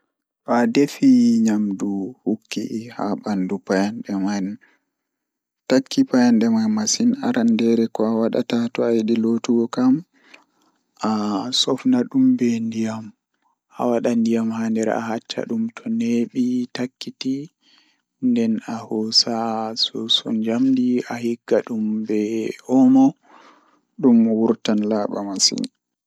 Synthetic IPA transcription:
fadefiɲamduhukːiʔhabandupajanɗɛman | takʰːipajanɗɛmajmasinaɾandɛɾɛkɔawaɗa̰tatɔajiɗilotuɡɔkam | ʔasɔfnaɗumbɛndijam | ʔa̰waɗandijamhaːndɛɾ̰a̰hat͡ʃːa̰ɗumtʰɔneɓitakːiti | ndɛnahɔsasɔsɔ̰ɲd͡ʒamdiahiɡːaɗumbɛʔɔmɔ | ɗumwuɾtanlaɓa̰masḭn

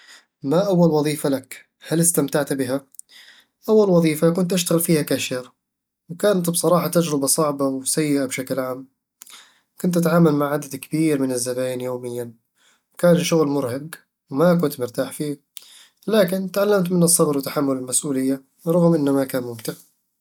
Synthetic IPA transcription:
maʔawːalwɑðˤiːfalak | halɪst̪amt̪aʕt̪bɪɦa | ʔawːalwɑðˤiːfakʊnt̪ʔaʃt̪aɣɪlfiːhakaʃɪɾ | wkaːnt̪bsˤɑɾˤɑːħɑt̪ad͡ʒɾɪbɑsˤɑʕbawsajːɪʔabʃaklʕaːm | kʊnt̪ʔat̪ʕaːmalmaʕʕad̪ad̪kabiːɾmɪnɪzːabaːnjoːmɪjːa | wkaːnʃʊɣlmʊɾhaɡ | wmak̬ʊnt̪mʊɾt̪aːħfiː | laːkɪnt̪ʕalːamt̪mɪnɨsˤːɑbɾwɪt̪ːaħamːʊlɪlmasʔuːlɪjːa | ɾˤɑɣmʔɪnːamakaːnmʊmt̪ɪʕ

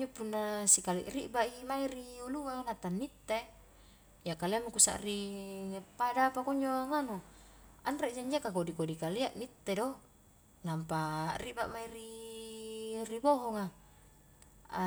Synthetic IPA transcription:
ɲd͡ʒopunːasikalḭʔrḭʔbaʔimaiɾiuluŋanat̪anːit̪ːe | jakaliamukusa̰ʔri | padapakoɲd͡ʒoaŋano | anreʔd͡ʒaɲd͡ʒakakodikodikaliaʔmit̪ːedo | nampariba̰ʔmaiɾi | riboɦɔŋa | a

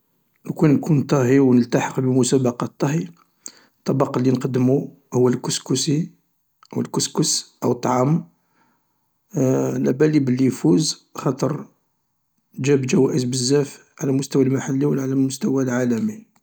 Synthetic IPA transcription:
nkunːkunt̪ˤɑɦiwnəlt̪ɑħəqbəmʊsæbɑqɑt̪ˤːɑɦi | t̪ˤːɑbɑqɑlːinqɑd̪mu | hʊwːælkuskusi | ʔwəlkuskʊsʔəwt̪ˤːʕɑm | lʔæbælibəlːifuzxɑt̪ˤəɾˤ | d͡ʒæbd͡ʒæwæʔəzbəzːæf | ʕalæmʊst̪æwælmaħalːiwəlʕalæmʊst̪æwælʕalæmi

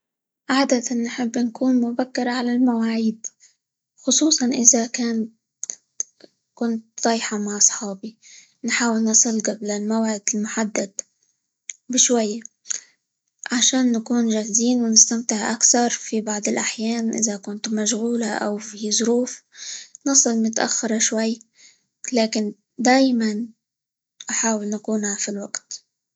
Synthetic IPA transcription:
ʕaːd̪at̪anːħɪbːnkuːnmʊbakːɪɾˤʕalalmawaːʕiːd̪ | xʊsˤuːsˤɑnʔɪzakaːnt̪ | kʊnt̪̚d̪ˤɑːjħɑmaʕɑsˤħɑːbi | nħaːwɪlnɑsˤɨlɡablalmawʕɪd̪ɪlmʊħad̪ːad̪ | bɪʃwajːa | ʕaʃaːnːakuːnʒahziːnwɪnɪst̪amt̪ɪʕʔa̰kθɑɾˤfibɑʕd̪ˤɨlʔaħjaːnʔɪ̰zakʊnt̪maʃɣuːlaʔa̰wfizˤʊɾuːfnɨsˤɨlmʊt̪ʔa̰xːɑɾˤɑʃwajː | laːkɪn | d̪aːjman | ʔaħaːwɪlnakuːnhafilwaɡt̪

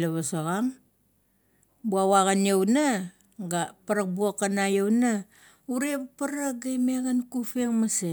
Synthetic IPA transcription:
laβasoɣaŋ | buawaɣanjowna | ɡapaɾak̚buokːanajowna | uɾe̞βapaɾaɡajmeɡankufeŋmase

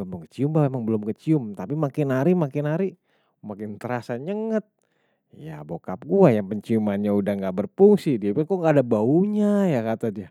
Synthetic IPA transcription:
abbaŋkə̥t͡ʃiumbamemaŋbəlʊmkət͡ʃiʊmt̪apimakɪnaɾimakɪnaɾi | makɪnt̪əɾasaɲəŋət̪̚ | jabokap̚ɡuajaŋpəɲt͡ʃiumanɲaudahŋɡaʔbərpuŋsidiapakoŋɡaːdabauɲajakat̪adia

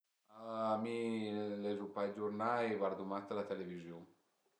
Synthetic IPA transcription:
amilɛzupajd͡ʒuɾnaeβaɾd̪umast̪əlat̪elevizjuŋ

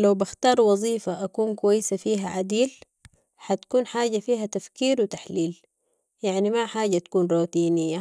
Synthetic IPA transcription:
lawbɪxt̪ɑːɾˤwɑzˤiːfaʔakuːnkwajːɪsafiːɦaʕad̪iːl | ħat̪ḁkuːnħaːɟafiːɦat̪afkiːɾwit̪aħliːl | jaʕnimaħaːɟat̪kuːnɾˤoːt̪iːnijːa

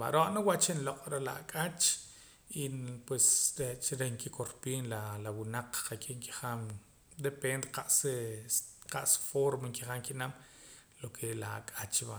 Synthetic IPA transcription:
ba̰ɾoʔnawaʔt͡ʃenloqʼɾela̰akʼat͡ʃ | ipwesɾet͡ʃɾeŋkikoɾpiːnlalawunaq͡χqakʼiʔŋki̥χam | d̪epend̪eqaʔs | qaʔsfoɾmaŋkiχaŋkinam | lokʰelaa̰kʼat͡ʃba

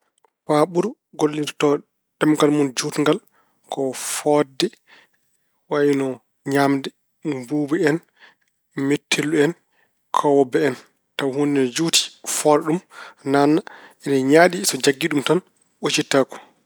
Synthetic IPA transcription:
faɓuɾ | ɡolːintɔ̥tɔ | ɗɛmɡalmund͡ʒutŋɡal | kɔfɔdɛ | wajinɔ | ɲamdɛ | mbuːbɛɛn | metʰːelːuɛn | kʰɔwɔbɛɛn | tawhundɛnɔd͡ʒuti̥fɔɾɛɗumnanːaʔɛnaɲaːɗisɔd͡ʒaɡːiɗumtan | ot͡ʃitːakɔ̥

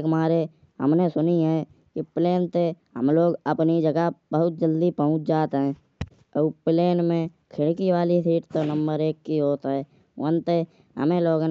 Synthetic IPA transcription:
kmaːɾe | ɦə̰mnesʊniɦɛ | kipleːnt̪eɦə̰mloːɡəpnid͡ʒəɡəbəɦʊt̪̚d͡ʒəld̪ipəɦʊ̃t͡ʃʰd͡ʒaːt̪eɦɛ̃ː | əpleːnmẽ | kʰɪɽkiwaːlisiːʈt̪onə̃mbəɾeːkːiɦoːt̪ɦɛː | wənt̪e | ɦə̰mẽloːɡ

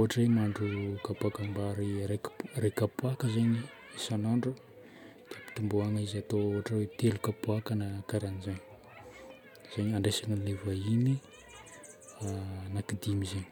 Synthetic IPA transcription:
oɦaʈ͡ʂwemaɳɖ͡ʐukapakambaɾiɾekrekapuakəzaɲi | isanaɳɖ͡ʐu | d̪̥iəpi̥t̪umbuaŋizat̪ooaʈ͡ʂəwet̪elukapuakanakaɾanizaɲi̥ | z̥aɲaɳɖ͡ʐasananevaini | nakid̪imizeɲi̥

